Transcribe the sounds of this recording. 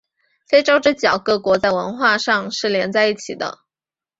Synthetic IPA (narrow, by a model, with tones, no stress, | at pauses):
fe˥ɪʈ͡ʂo˥ʊʈ͡ʂɤ˥˩t͡ɕjɑ˨˩ʊkɤ˧˥kwɔ˧˥t͡sa˥˩ɪwə˧˥nxwa˥˧ʂɑ˥˧ŋʂɻ̩˥˩ljɛ˧˥nt͡sa˥˧ɪi˥˩t͡ɕʰḭ˨˩d̪ə̰˦